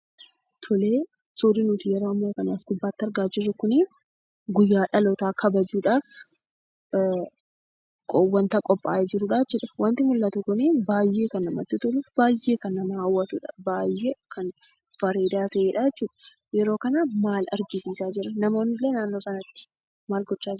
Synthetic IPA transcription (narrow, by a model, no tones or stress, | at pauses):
t̪ʰʊle̞ː | suːɾɪnʊt̪ɪjɛɾoːɐmːo̞ːkɐnaːsɡʊbːaːt̪ːɪɐɾɡaːd͡ʒɪrːɐkʊnɪ | ɡʊjːaːᶑɐlɔt̪aːkʰɐbɐd͡ʒuːᶑaːf | kʼɔwːɐnt̪ɐkʼɔpʼːa̰ːjed͡ʒɪɾʊᶑaːɛt͡ʃːuːᶑɐwɐnt̪ɪmʊlːɐt̪ʊkʊnibaːjːe̞ːkɐnːɐmɐ̰t̪ːɪt̪ʊlʊfbaːjːe̞ːkɐnːɐnhɐwːɐt̪uᶑɐ̥baːjːekɐn | fɐɾeːd̪aːt̪ɐʔeːᶑad͡ʒɛt͡ʃːuːᶑɐ̥ | jɛɾo̞ːkɐnɐmaːlɐ̰ɾɡɪsiːsaːd͡ʒɪɾɐnɐmoːnɪlːeːnaːnːo̞ːsɐnɐt̪ːɪ̥ | maːlɡɔt͡ʃːaːd͡ʒ